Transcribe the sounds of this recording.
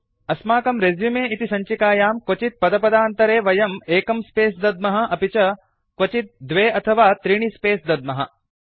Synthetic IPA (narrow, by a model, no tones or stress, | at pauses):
ɐsmaːkɐmɾezjumeːit̪isɐɲt͡ʃikaːjaːmkʋɐt͡ʃit̪̚pɐd̪ɐpɐd̪aːnt̪ɐɾeːʋɐjɐmeːkɐmspeːsd̪ɐd̪̚mɐɦɐ̆ʔɐpit͡ʃɐ | kwɐt͡ʃit̪̚d̪ʋeːɐt̪ʰɐʋaːt̪ɾiɳ̃ispeːsd̪ɐd̪mɐɦɐ̰